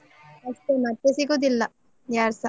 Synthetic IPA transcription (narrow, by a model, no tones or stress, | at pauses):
ɐsʈ̪umɐt̪ːesiɡod̪ilːɐ | jaːɾsa